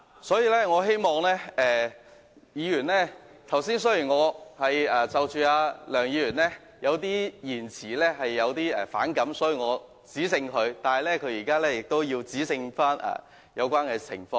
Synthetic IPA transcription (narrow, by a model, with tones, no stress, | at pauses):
sɔː˨˥jiː˨˧lɛː˥ŋɔː˨˧ɦe˥jmɔː˨ŋlɛː˥ɛː˧ | jiː˨˧jyː˨˩nlɛː˥ | t̪ʰɐ˨˩wsiː˥ns̬ɵ˥ji˨˩ŋɔː˨˧hɐ˨jɛː˨t͡sɐ˨wt͡ʃyː˨˧aː˧lœː˨˩ŋjiː˨˧jyː˨˩nlɛː˥ | jɐ˨˧wt̪̬iː˥jiː˨˩nt͡sʰiː˨˩lɛː˥ɦɐ˨jːɐ˨˧wt̪iː˥ɛ̰˨fa̰ː˨˥nkɐ˨˥msɔː˨˥jiː˨ŋɔː˨˧ | t͡siː˨˥sɪ˧ŋkʰɵ˨˧ɥt̪aː˨nhɐ˨˩jlɛː˥kʰɵ˨˧ɥjiː˨˩kaː˥lɛː˥jɪ˨k̚t̪o˥wjiː˧wt͡siː˨˥sɪ˧ŋfaː˥na̰ː˨˩ | jɐ˨˧wkʷaː˥nkɛː˧t͡sʰɪ̰˨˩ŋfɔː˧ŋ